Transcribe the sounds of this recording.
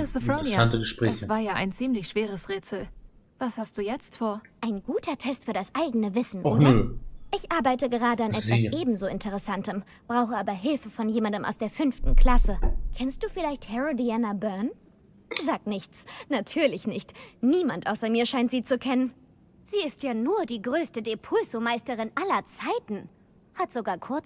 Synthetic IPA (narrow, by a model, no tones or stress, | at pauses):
ʊsəfoantəɡəʃpʁ̥ɛ̰aːçsv̥aːɐjaːʔa̰ɪnt͡siːmlɪçʃv̥eːʁ̞əsʁeːt͡sl̩ | v̥ashast̚d̥uːjɛt͡stfoːɐʔaɪnɡuːtʰɐtʰɛstfyːɐdasʔaɪɡənəvɪsn̩ʔoːnɐeʔɪçʔaɐbaɪtəɡəʁ̞aːdəanʔɛtzaiːsʔeːb̚m̩zoːɪntəʁ̞əsantəm | b̥ʁaʊxəʔaːbɐɦɪlfəfɔnjeːmandəmʔa̰ʊsd̥eːɐfʏnftn̩kl̥asəkʰɛnst̚d̥uːfɪlaɪçthɛʁodianabœɐn | zaːk̚tnɪçt͡snatʰyːɐlɪçnɪçtniːmantʔaʊsɐmiːɐʃaɪntz̥iːt͡sukʰɛnən | z̥iːɪstjaːnuːɐdiːɡʁøːstədepʰʊlzomaɪstəʁɪnʔalɐt͡saɪtn̩ | hatz̥oɡaːɐkʰʊɐt͡s